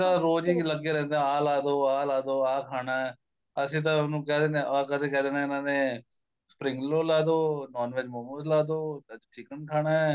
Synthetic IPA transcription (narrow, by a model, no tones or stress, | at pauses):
ãːɾoːd͡ʒiːləɡeːɾɛ̃ːnd̪eɛ̃aːlaːd̪oːaːlaːd̪oːaːkʰaːɽaːɛː | əsĩːt̪̬ãnũːkɛːd̪eːnẽːaːkət̪ʰeːkɛːd̪eːnẽːɪnãːneː | spɾɪŋɡloːlaːd̪oːnɔːnʋeːd͡ʒmoməslaːd̪oːət͡ʃt͡ʃɪkənkʰaːnaːɛː